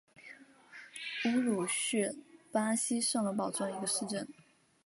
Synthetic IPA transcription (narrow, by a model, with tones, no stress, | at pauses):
u˥ɻu˨˩ɕɥɛ˥˩pa˥ɕi˥ʂɤ˥˩˧ŋlə˧˥pɑ˨˩ʊʈ͡ʂə˥˩ŋi˧˥ɡə˧ʂɻ̩˥˧ʈ͡ʂə˥˩n